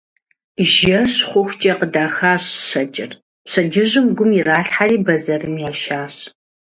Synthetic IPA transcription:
ʒɐɕχʷʊxʷt͡ʃʼɐqədaːxaːɕɕɐd͡ʒʼɪ̰r | pɕɐd͡ʒɪʑɨmɡʷʊmiraːɬħariːbɐzɐrɨmjaːʃaːɕ

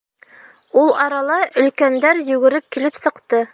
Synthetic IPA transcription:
ulˠɑɾɑlˠɑʔɵ̆lkænd̪æɾjɵ̆ɡɘ̆ɾɘp̚kilɘpsɤ̆qt̪ɤ

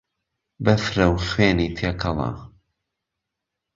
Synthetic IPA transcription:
bɐfɾɐwxweːniːt̪ʰeːkʰɐlɑ̰ː

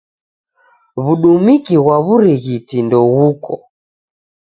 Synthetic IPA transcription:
βuɗumikiɣwaβuɾiɣitindɔɣukɔ

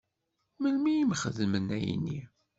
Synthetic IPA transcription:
məlmijimχəðmənæjḭnːi

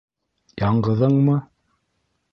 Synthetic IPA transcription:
jɑɴɢɤ̆ðɤɴmɤ

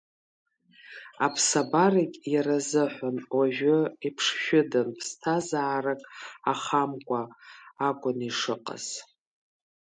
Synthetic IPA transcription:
apʰsabarikʲʼjaɾazɨħʷanwaʒʷᶣʊipʰʂʃʷᶣʊdanpʰstʰazaːrakʼaχamkʷʼaː | kʷʼʊniʂɨqʼa̰z̥

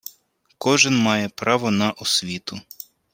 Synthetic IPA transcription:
kɔʒɪnmɑjɛpɾɑʋɔnɐʔɔsʲʋʲit̪ʊ

